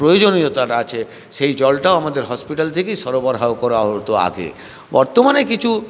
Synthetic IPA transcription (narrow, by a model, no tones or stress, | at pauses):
pɾojod͡ʑoniot̪aʈaat͡ɕʰe | ʃejd͡ʑɔlʈaoamad̪eɾɦɔspiʈalt̪ʰekejʃɔɾobɔɾɦaokɔɾaɦot̪oa̰ɡḛ | bɔɾt̪omanekit͡ɕʰu